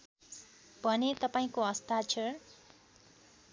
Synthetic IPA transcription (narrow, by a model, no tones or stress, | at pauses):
bʱʌnet̪ʌpaĩkoʌst̪at͡sʰʌ